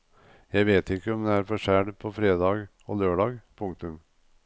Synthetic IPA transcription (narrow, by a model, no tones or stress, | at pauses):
jæɪʋeːt̪ɪkːəɔmd̪ɛæːɾfɔʂæːɖpʰɔfɾeːd̪ɑːɡ | oːløːɖɑːɡpʰʊŋkt̪ʉm